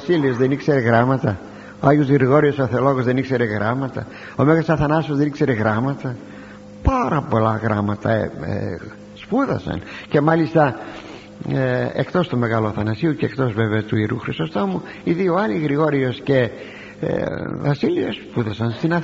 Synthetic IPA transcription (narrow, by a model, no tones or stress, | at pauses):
siliozðenikseɾeɣɾɐmɐt̪ɐ | oɐʝozɣɾiɣo̞ɾiosoθeolo̞ɣozðe̞nikse̞ɾeɣɾɐmɐt̪ɐ̰ | omeɣɐsɐθɐnɐsozðenikse̞ɾeɣɾɐmɐt̪ɐ | paɾɐpo̞lɐɣɾɐmɐt̪ɐ̰ | spuðɐ̰sɐ̰nce̞mɐlist̪ɐ | eekt̪o̞st̪ome̞ɣɐloθɐnɐsiuceːkt̪o̞zveveɐt̪uiɾuxɾist̪ost̪o̞mu | iðioɐliɣɾiɣo̞ɾio̞sce̞̰ | vɐsilio̰spuðɐsɐnst̪inɐ